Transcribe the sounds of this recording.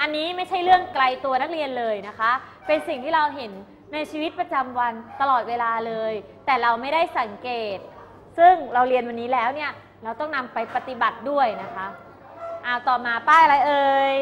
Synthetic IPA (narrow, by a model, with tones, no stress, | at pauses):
ʔa˧nːiː˦˥ma˥˩jt͡ɕʰa˥˩jɾɯ˥˩əŋkla˧jt̪u˧ɐna˦˥k̚ɾi˧ənlɤː˧jna˦˥kʰa˦˥ʔ | pe˧nsi˨˩ŋt̪ʰiː˥˩ɾa˧wɦe˩˦nː | a˧jt͡ɕʰiː˧wi˦˥t̪̚pɾa˧t͡ɕa˧mwa˧nt̪a˧lɔː˨˩t̪̚weː˧laː˧lɤː˧jt̪ɛː˨˩ɾa˧wma˥˩jda˥˩jsa˩˦ŋkeː˨˩t̪̚ | sɯ˥˩ŋɾa˧wɾi˧ənwa˧nːiː˦˥lɛː˦˥wni˥˩ɐ | ɾa˧wt̪ɔ˥˩ŋna˧mpa˧jpa˧t̪i˨˩ba˨˩t̪̚du˥˩əjna˦˥kʰa˦˥ʔ | ʔaː˧˩wt̪ɔː˨˩maː˧paː˥˩jʔɾa˧jʔɤː˧j